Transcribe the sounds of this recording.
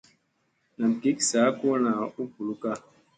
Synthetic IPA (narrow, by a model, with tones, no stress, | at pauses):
na˨mki˦ksaː˨˦ko˦na˨u˦pu˨lu˦ka˦